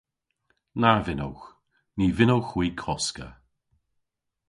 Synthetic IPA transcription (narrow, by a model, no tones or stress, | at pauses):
naɹvɪno̰wx | niːvɪnowxwiːkʰɔskə̰